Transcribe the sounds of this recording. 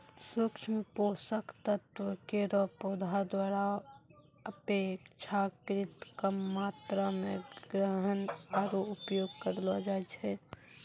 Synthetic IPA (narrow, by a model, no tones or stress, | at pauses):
sukt͡ʃʰmeposəkt̪ət̪wəkeɾɔpod̪ʱad̪waɾa | əpekt͡ʃʰakɾit̪kamːat̪ɾameɡɾəɦənaɾoupjoɡ̚kəɾlɔd͡ʒajt͡ʃʰɛ